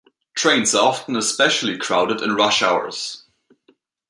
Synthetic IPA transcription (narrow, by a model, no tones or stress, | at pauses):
tʰɹ̥ẽɪ̃nzə˞ɑfn̩əspɛʃl̩ˠikʰɹ̥aʊɾɨdɨ̰̃nɹʌʃaʊə̰˞z̥